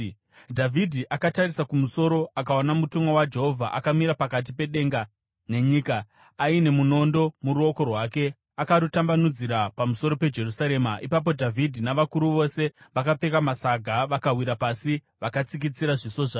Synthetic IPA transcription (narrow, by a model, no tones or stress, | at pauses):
dʱavʱidʱiʔakatarisakumuso̞ɾo̞akaonamutumawad͡ʒe̞ɦo̞vʱaʔakamiɾapakat̬ipe̞ɗe̞ːŋɡa | ne̞ɲiːkaː | ine̞muno̞ndo̞muɾuo̞ko̞rwaːke̞ | akaɾutambanud͡ziɾapamuso̞ɾo̞pe̞d͡ʒe̞rusaɾe̞maʔipap̬o̞dʱavʱidʱinaʋakuɾuʋo̞se̞ʋakap͡fe̞kamasaɡʱaʋakawiɾapasi | ʋakat͡sik̬it͡siɾaʐiso̞ʐa